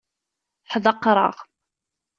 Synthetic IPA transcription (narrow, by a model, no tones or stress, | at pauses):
ħðˤɑqːɾˤɑ̰ʁ